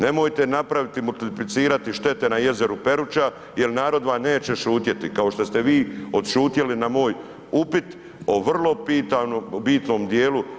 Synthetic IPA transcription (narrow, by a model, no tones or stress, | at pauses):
ne̞mo̞jt̪e̞napɾaʋit̪imult̪iplit̪siːɾat̪iʃt̪e̞t̪e̞naje̞ze̞ɾupe̞ɾut͡ʃa | je̞lnaːɾo̞d̪ʋaːne̞ːt͡ɕe̞ʃuːt̪je̞t̪ikao̞ʃt̪o̞st̪e̞ʋiːo̞d̪ʃuːt̪jelinamo̞ːj | upit̪ | o̞ʋrlˠo̞pit̪anobiːt̪no̞ːmd̪je̞ːlu